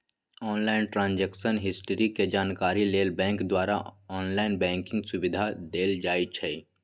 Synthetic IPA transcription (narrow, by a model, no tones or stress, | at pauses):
ɔːnlaːɪnʈɾãːnd͡ʒɛːkʃənɦɪsʈəɾiked͡ʒaːnkaːɾileːlbɛ̃ːŋkd̪waːɾa̰ɔːnlaːɪnbɛ̃ːŋkɪ̃ŋɡsʊbɪd̪ʱad̪eːld͡ʒaːit͡ʃʰɛː